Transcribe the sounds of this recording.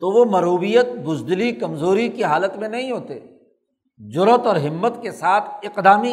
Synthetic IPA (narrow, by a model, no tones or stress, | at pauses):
t̪oʋomɐɾɦuːbijət̪̚bʊzd̪likɐmzoːɾikiɦaːlət̪mẽnɐɦĩɦoːt̪ḛ | d͡ʒʊɾət̪ɔːɾɦɪmːət̪kesaːt̪ʰɪqd̪aːmi